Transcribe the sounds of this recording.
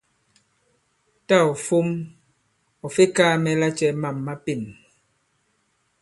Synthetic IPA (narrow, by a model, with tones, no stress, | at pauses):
ta˦˨ɔ˨fo˦m | ɔ˨fe˦kaː˦mɛ˦la˦t͡ʃɛ˦ma˨mːa˦pe˨n